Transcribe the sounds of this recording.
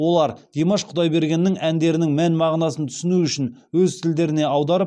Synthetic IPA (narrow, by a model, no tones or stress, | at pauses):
wo̞lˠɑɾd̪̥emɑʃqʰʊd̪ɑjbe̞ɾɡʲe̞nːɪŋænd̪e̞ɾɪnɪŋmænmɑʁnɑsənt̪ʰʏ̥sɪnuʏʃɪn | wɵzt̪ʰɪld̪e̞ɾɪne̞ɑwd̪ɑɾəp̚